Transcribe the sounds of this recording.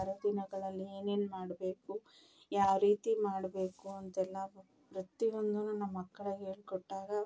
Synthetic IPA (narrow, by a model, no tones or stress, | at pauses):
ɾɐd̪inɐɡɐɭɐlːieːne̞ːnmaːɽbe̞ːku | jaːʋɾiːt̪imaːɽbe̞ːkuɐnt̪ɛlːɐ | pɾɐt̪io̞nd̪ununɐmːɐkːɐɭeɦe̞ːɭkɔʈːaːɡɐ